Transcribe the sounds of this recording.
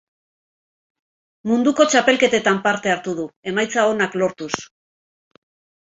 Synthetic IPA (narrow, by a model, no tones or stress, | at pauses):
mund̪uko̞t͡ʃape̞lke̞t̪e̞t̪ampaɾt̪e̞aɾt̪uðue̞majt͡sao̞naklo̞ɾt̪us